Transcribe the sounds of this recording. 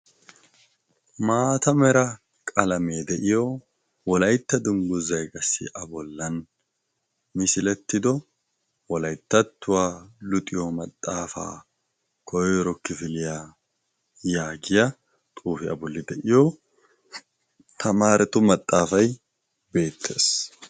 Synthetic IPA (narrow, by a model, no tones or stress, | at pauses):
maːt̪ɐmɛɾɐ | kʼɐlɐmeːd̪ɛʔɪjo | wɔlɐjt̪ːɐd̪ʊŋɡʊzɐjɡɐsːɪ̰ʔɐbɔlːɐn | mɪsɪlɛt̪ːɪd̪ɔ | wɔlɐjt̪ːɐt̪ːʊwalʊt̪ʼɪjɔmɐt̪ʼːaːfa̰ː | kɔjɔjɾɔkːɪfɪlɪja | jaːɡɪjɐ | t̪ʼuːfɪɐ̰bɔlːɪd̪ɛʔɪjɔ | t̪ʰɐmaːɾɛt̪ʊmɐt̪ʼːaːfɐj | be̞ːt̪ʰːe̞ːs